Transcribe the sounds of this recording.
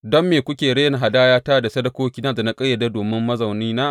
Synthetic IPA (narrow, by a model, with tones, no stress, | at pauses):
dɔ˦mːeː˨kʷʊ˦kʲeː˨ɽeː˦jɐ˨ɦa˨daː˦jaː˦taː˦˨da˨sɐ˦ɽɐ˦kʷoː˦kʲiː˦naː˦da˨na˦kʼɐ˦jːɐ˨da˦doː˨mɪ˦mːɐ˦zɐ˨wniː˦naː˦ʔ